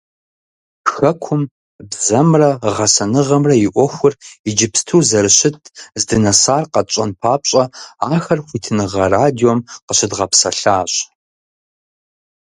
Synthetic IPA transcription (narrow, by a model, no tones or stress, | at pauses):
pxɐkʷʰʊm | bzɐmrɐʁɐsɐnɨʁɐmrɐjɪʔʷɔxʷʊrid͡ʒɪpstʰuːzɐɾɨɕɪtʰzdɨnɐsaːrqɐt͡ʃʼɐnpʰaːpɕʼɐaːxɐrxʷitʰɨnɨʁɐraːdiomqəɕɪdʁɐpsɐɬaːɕʼ